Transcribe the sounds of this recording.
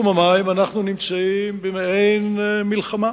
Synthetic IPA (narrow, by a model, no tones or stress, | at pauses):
mamaimanaχnunimt͡saimbemeejnmilχama